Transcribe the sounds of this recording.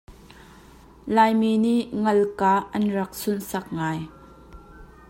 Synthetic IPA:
laːjmiːniʔŋɐlkaːʔɐnrɐk̚sʊnsɐk̚ŋaːj

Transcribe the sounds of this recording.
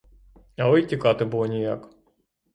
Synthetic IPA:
ɐɪjtʲikɑt̪ɪbʊlˠɔnʲijɑ̰k

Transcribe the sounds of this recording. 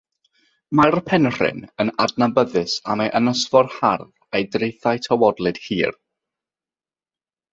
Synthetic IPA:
marəpʰɛnr̥ɪ̰nənadnabəðɨsa̰meʔənəsvɔrharv | ejdrejθajtʰawɔdlˠɨd̥hiːr

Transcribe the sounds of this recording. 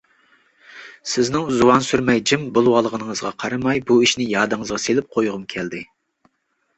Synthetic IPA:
sɪznɪŋzuwɑnsyɾmɛjd͡ʒimbulˠwɑlˠəʁənəŋəzʁɑqʰɑɾɑmɑjbuiʃnɪjɑːd̪ɨŋəzʁɑselɪp̚qʰojʁʊmkʲʰɛld̪ɪ

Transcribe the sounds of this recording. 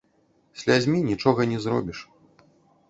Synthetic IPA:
sʲlʲad͡zʲmʲinʲit͡ʂɔɣɐnʲɛzɾɔ̰bʲiʂ

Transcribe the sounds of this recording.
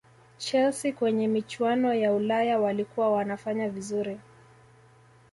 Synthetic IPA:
t͡ʃɛlsikwɛɲɛmit͡ʃwanɔjaulajawalikuwawanafaɲavizuɾi

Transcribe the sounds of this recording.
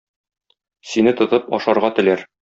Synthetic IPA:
sinɘt̪ŏt̪ɤpɒ̰ʃɑɾʁɑt̪ɘ̆læɾ

